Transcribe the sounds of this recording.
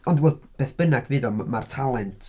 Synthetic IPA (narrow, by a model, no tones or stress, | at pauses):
ɔndwɛːb̥eːθb̥ənaɡvɨːðɔmartʰalˠɛntʰ